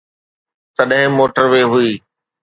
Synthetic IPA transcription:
t̪ɐɗɦɪ̃moːʈəɾʋeːɦʊiː

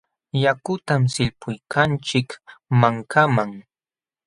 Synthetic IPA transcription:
jakʊt̪amsɪʎpʰʊjkʰant͡ʃɪkmaŋkʰamaŋ

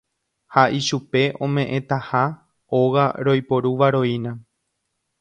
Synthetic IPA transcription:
haʔiʃupe̞ʔõ̞mẽ̞ʔẽ̞t̪aha | o̞ɣaɾo̞jpo̞ɾuʋaɾo̞inã

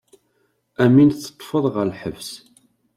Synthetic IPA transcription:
æmint͡sːə̥t̪ˤːfəðˤʁəɾəħəvs

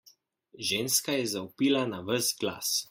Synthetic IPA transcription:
ʒeːnskajɛzaupilanaʋəsɡla̰s

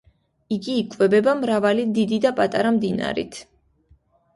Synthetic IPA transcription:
iɡiːkʼvɛbɛbamɾavalid̪id̪id̪apʼat̪ʼaɾamd̪ina̰ɾḭt̪ʰ

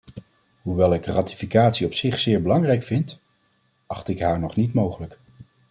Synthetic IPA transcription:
ɦuʋɛlˠɪkraːtifikaːtsiɔpsɪχsɪːɹbəlɑŋrɛjkfɪnt | ʔɑχtɪkɦaːɹnɔχnitmowχələk

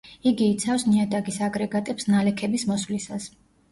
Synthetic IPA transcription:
iɡiːt̪sʰafsniad̪aɡisaɡɾɛɡat̪ʼɛpsnalɛkʰɛbismɔsvlisas

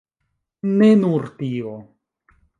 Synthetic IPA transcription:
nenuɾt̪io

